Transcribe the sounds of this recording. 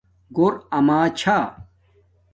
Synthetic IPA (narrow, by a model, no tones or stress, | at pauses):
ɡoɾɐmaːt͡ɕʰa